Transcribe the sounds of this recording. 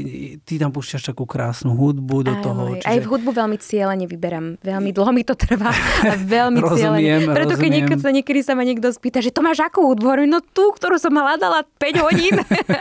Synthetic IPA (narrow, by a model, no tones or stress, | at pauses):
t̪it̪ampuscaʃt̪akuːkɾa̰ːsnuɦud̪bud̪ɔt̪ɔɦɔuɾɛjt͡ʃʔajvɦud̪̚buʋɛlmit͡sɪɛlɛɲɛʋibɛɾamʋɛlmid̪l̩ˠɦɔmit̪ɔt̪r̩ʋaaʋɛlmiszɪɛlɛɛɛpɾɛt̪ɔkɛɲɪɛkɛsaɲɪɛkɛd̪isamaɲɪɛɡd̪ɔspiːt̪aʒɛt̪ɔmaːʒakuuːd̪ʋɔɾnunɔt̪ukt̪ɔɾuːsɔmɦlad̪alapɛɟɦɔɟiːn